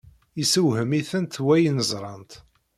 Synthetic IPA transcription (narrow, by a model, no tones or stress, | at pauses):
isəwhəmiθənt̪wæjnəzˤɾˤɑnt̪